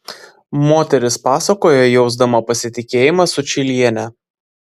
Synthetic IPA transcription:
moːt̪ʲɛɾʲɪspɑːsɐkoːjojɛʊzd̪ɐmoːpɐsʲɪt̪ʲɪkʲeːjɪmɑsʊt͡ʃʲɪlʲiɛnʲɛ

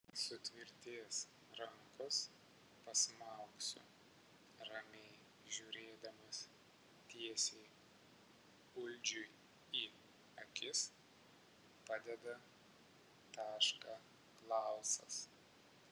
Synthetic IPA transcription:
sʊt̪ʲʋʲɪɾʲt̪ʲeːs | ɾɐŋkʊs | pɐsmɐˑʊksʲʊ̰ | ɾɐmʲɛɪ | ʒʲuːɾʲeːd̪ɐmɐs | t̪ʲiɛsʲɛɪ | ʊlʲd͡ʒʲʊɪ | iː | ɐkʲɪs | pɑːd̪ʲɛd̪ɐ | t̪ɑːʃkɑː | klˠɑˑʊsɐs

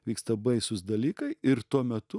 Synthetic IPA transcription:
ʋʲiːkst̪ɐbɐɪsʊsd̪ɐlʲiːkɐɪɪɾt̪uɔmʲɛt̪ʊ

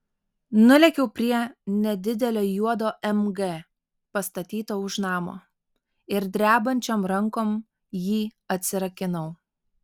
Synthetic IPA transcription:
nʊlʲɛkʲɛʊpʲɾʲiɛnʲɛd̪ʲɪd̪ʲɛlʲoːjuɔd̪oːʔɛmɡe | pɐst̪ɐt̪ʲiːt̪oːʊʃnɑːmo̰ː | ɪɾd̪ʲɾʲæːbɐnʲt͡ʃʲomɾɐŋkoːm | jiːɐt̪ʲsʲɪɾɐkʲɪnɐʊ

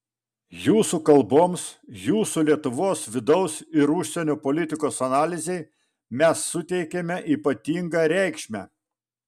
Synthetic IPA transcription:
juːsukɐlˠboːmsjuːsulʲiɛt̪ʊʋoːsʋʲɪd̪ɒʊsɪɾʊʃʲsʲɛnʲoːpolʲɪt̪ʲɪkoːsɐnɑːlʲɪzʲɛɪ | mʲɛsːʊt̪ʲɛɪkʲɛmʲɛʔiːpɐt̪ʲiːŋɡɑːɾʲɛɪkʃʲmʲæ

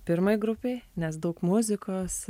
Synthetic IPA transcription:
pʲɪɾmɐɪɡɾʊpʲeɪnʲɛsd̪ɐʊkmʊzʲɪkoːs

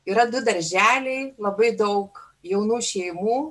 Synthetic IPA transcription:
iːɾɐd̪ʊd̪ɐɾʲʒʲæːlʲɛɪlˠɐbɐɪd̪ɐʊk | jɛʊnuːʃʲɛɪmuː

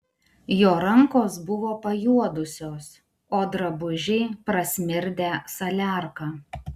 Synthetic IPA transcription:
joːɾɐŋkoːsbʊʋoːpɐjuɔd̪ʊsʲoːs | oːd̪ɾɐbʊʒʲɛɪpɾɐsʲmʲɪɾʲd̪ʲeːsɐlʲæˑɾkɑː

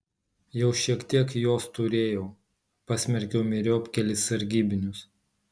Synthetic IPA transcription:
jɛʊʃʲiɛkt̪ʲiɛkjoːst̪ʊɾʲeːjoʊ | pɑsʲmʲɛɾʲkʲɛʊmʲɪɾʲoːpʲkʲɛlʲɪsɐɾʲɡʲiːbʲɪnʲʊs

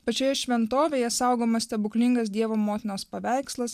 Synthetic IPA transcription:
pɐt͡ʃʲoːjɛʃʲʋʲɛnt̪oːʋʲeːjɛsɑˑʊɡoːmɐsʲt̪ʲɛbʊklʲɪŋɡɐsd̪ʲiɛʋoːmoːt̪ʲɪnoːspɐʋʲæˑɪkslˠɐs

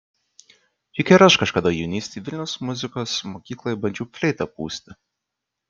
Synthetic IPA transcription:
jɪkʲɛɾɐʃkɐʃkɐd̪ɐjɛʊnʲiːsʲt̪ʲiːʋʲɪlʲnʲɛʊsmʊzʲɪkoːsmoːkʲiːklˠojbɐnʲd͡ʒʲuːfʲlʲɛɪt̪ɐpṵːsʲt̪ʲɪ

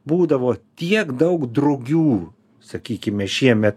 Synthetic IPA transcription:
buːd̪ɐʋoːt̪ʲiɛkd̪ɐʊkd̪ɾɐʊɡʲuː | sɐkʲiːkʲɪmʲɛʃʲiɛmʲɛt̪̚

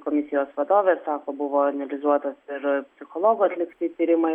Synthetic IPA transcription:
komʲɪsʲɪjoːsʋɐd̪oːʋʲeːsɑːkoːbʊʋoːɐnʲɐlʲɪzuɔt̪osɪɾpʲsʲɪxolˠoːɡʊɐt̪ʲlʲɪkt̪ʲɪt̪ʲiːɾʲɪmɐɪ

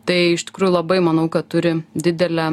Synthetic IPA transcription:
t̪ɐɪɪʃt̪ʲɪ̥kɾuːjulˠɐbɐɪmɐnɐʊkɐt̪t̪ʊɾʲɪd̪ʲɪd̪ʲɛlʲɛ

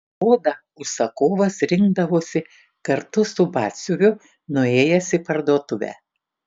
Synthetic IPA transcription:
oːd̪ɐ | ʊʃsɐkoːʋɐsɾʲɪŋɡd̪ɐʋoːsʲɪ | kɐɾt̪ʊsʊbɑːt̪ʲsʲʊɾʲʊ | nʊeːjɛsʲɪpɐɾd̪uɔt̪ʊʋʲæ̰ː

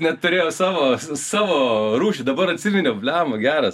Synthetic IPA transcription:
nʲɛtt̪ʊɾʲeːjɛsɑːʋoːsɑːʋoːɾuːʃʲɪd̪ɐbɐɾɐt̪ʲsʲimʲɛnʲoːpʲlʲæːmɐɡʲæːɾɐs

